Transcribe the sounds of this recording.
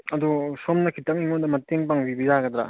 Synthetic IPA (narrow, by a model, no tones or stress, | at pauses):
ɐdusomnɐkʰitɐŋiŋondɐmɐteŋpaŋbibizaɡɐd̪ɾa̰